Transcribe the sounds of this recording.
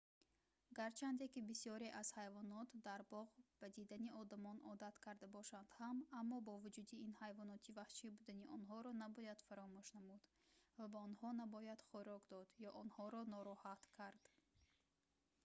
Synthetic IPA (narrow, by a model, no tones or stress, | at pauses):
ɡaɾt͡ʃʰand̪ekibisjɔɾeʔaz̥hajvɔnɔt̪d̪aɾbɔʁb̥ad̪id̪aniʔɔd̪amɔnʔɔd̪at̪kʰaɾd̪abɔʃand̪hamamːɔbɔvud͡ʒud̪iinhajvɔnɔt̪ʰivaχʃibud̪aniʔɔnɦɔɾɔnabɔjad̪̥faɾɔmuʃnamud̪ | vabaɔnhɔnabɔjad̪̥χɔɾɔɡd̪ɔd̪jɔʔɔnhɔɾɔnɔɾɔhat̪kʰaɾd̪̥